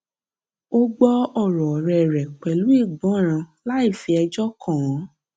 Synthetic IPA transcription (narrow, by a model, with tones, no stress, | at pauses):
o˦ɡ͡bɔ˦ɔ˦˨ɾɔ˨ɾɛ˨ɾɛ˨k͡pɛ˨lu˨˦i˦˨ɡ͡bɔ̃˨˦˨ɾ̃ã˧la˦i˦˨fi˧ɛ˧d͡ʒɔ˦kʰɔ̃˦˨ɔ̃˨˦